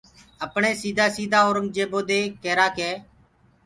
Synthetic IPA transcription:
əpɳeːsiːd̪ʱaːsiːd̪ʱaːoːɾəŋ̚d͡ʒeːboːd̪eːkeːɾaːkeː

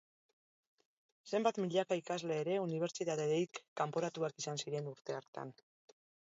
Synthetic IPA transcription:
se̞mbat̪miʎakaikazle̞ːɾe̞uniβ̞e̞ɾt͡ʃit̪aðeðejkːampo̞ɾat̪uakisansiɾe̞nuɾt̪e̞aɾt̪a̰n

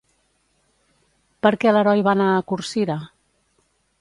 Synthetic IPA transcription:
pəɾkɛləɾɔjβanaːkuɾsiɾa

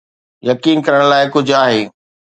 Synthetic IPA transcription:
jɐkiːnkɐɾəɽ̃laːɪkʊd͡ʑʱʊaːɦeː

